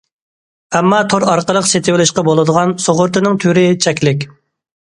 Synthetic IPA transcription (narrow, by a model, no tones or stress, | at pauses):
ɛmːɑt̪ʰoɾɑɾqəlˠəqset̪ʰɪwɪlɪʃqɑbolˠɨd̪əʁɑnsoʁʊɾt̪ʰɨnɪŋt̪ʰyɾɪt͡ʃʰɛkʲlɪkʲ